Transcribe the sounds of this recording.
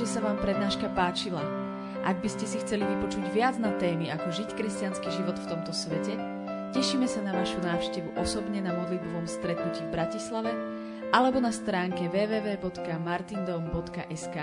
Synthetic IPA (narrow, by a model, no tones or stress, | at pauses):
ɛsaʋaːmpɾɛd̪naːʃkapaːt͡ʃila | ʔaɡ̚biscɛsixt͡sɛliʋipɔt͡ʃuɟʋɪad͡znat̪ɛːmiakɔʒickɾɛscanskiʒiʋɔt̪ft̪ɔmt̪ɔsʋɛcɛ | cɛʃiːmɛsanaʋaʃunaːʊʃcɛʋuʔɔsɔbɲɛnamɔd̪lid̪̚bɔʋɔmst̪ɾɛt̪nuciːvbɾacislaʋɛ | ʔalɛbɔnast̪ɾaːŋkɛʋɛːʋɛːʋɛːbɔt̪kamaɾt̪ind̪ɔmbɔt̪kaʔɛskaː